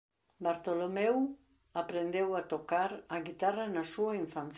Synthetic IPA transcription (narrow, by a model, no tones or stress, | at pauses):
baɾt̪o̞lomew | apɾend̪ewat̪okaɾaɣit̪aranasuaiɱfanθ